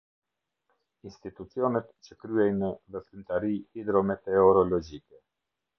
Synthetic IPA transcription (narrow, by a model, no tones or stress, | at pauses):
inst̪it̪ut͡siɔnɛt̪t͡ɕəkɾyɛjnəðɛfɾynt̪aɾihid̪ɾɔmɛt̪ɛɔɾɔlɔd͡ʒikɛ